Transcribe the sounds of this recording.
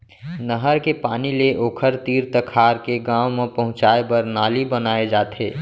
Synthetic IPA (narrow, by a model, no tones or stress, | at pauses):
nəɦəɾkepaːnileʔoːkʰəɾt̪iːɾt̪əkʰaːɾkeɡãːwmepəɦʊ̃t͡ʃaːebəɾnaːlibənaːed͡ʒaːt̪ʰeː